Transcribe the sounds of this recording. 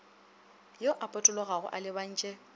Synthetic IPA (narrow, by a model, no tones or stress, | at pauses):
joʔapʼɔtʼʊlɔɣaɣʊ̰ʔalɪban̩ːt͡ʃʼɛ